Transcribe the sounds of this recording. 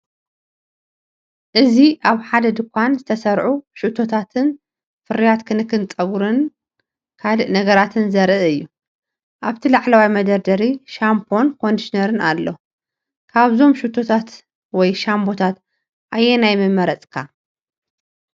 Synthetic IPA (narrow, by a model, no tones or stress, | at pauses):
ʔɨziʔaβħad̪ɐd̪ɨkʷʰanzɨt̪ʰɐsɐɾʕuʃuʔt̪ʰo̞t̪ʰat̪ʰɨn | fɨɾijat̪kʰɨnɨkʰːɨnt͡sʼɐɡuɾɨn | kʰalɨʔnɐɡɐɾat̪ʰɨnzɐɾɨʔɨjːu | ʔaβt̪ʰilaʕlɐwajmɐd̪ɐɾd̪ɐɾiʃampʰo̞nkʰo̞nd̪iʃinɐɾɨna̰lːo | kʰaβzo̞mʃut̪ʰo̞t̪ʰat̪ | wɔjʃambo̞t̪ʰat̪ | ʔajːenajmɨmːɐɾɐt͡sʼkʰa